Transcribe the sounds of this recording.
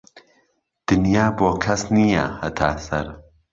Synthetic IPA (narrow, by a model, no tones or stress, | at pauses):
d̪̥ɨnjaːboːkʰɐsnijɐ̰hɐt̪ʰaːsɐɾ